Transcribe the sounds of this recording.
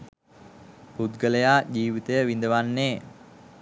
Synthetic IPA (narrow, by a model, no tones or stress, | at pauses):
pud̪ɡələjaːd͡ʑiːʋit̪əjəʋind̪əʋanːeː